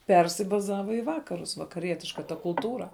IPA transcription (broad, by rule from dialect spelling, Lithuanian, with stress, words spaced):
ˈpʲɛrʲsʲɪbɐzɐʋɐ ɪ ˈʋɑːkɐrʊs ʋɐkɐˈrʲiɛtʲɪʃkɐ tɐ kʊlˠˈtuːrɐ